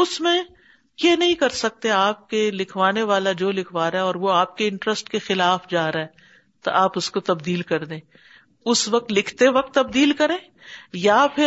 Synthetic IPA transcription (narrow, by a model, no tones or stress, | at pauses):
ʊsmẽ | kenɐɦĩkɐɾsɐk̚t̪eaːp̚kelɪkʰʋaːneʋaːlad͡ʒoːlɪkʰʋaːɾaɦɛɔːɾʋoaːp̚keɪ̃ɳʈɾəsʈkexɪlaːfd͡ʒaːɾaɦɛ | t̪o̰ʔaːpʊskot̪ɐbd̪iːlkɐɾd̪ẽː | ʊsʋɐk̚t̪lɪkʰt̪eʋɐk̚t̪ːɐbd̪iːlkɐɾẽː | japʰɪ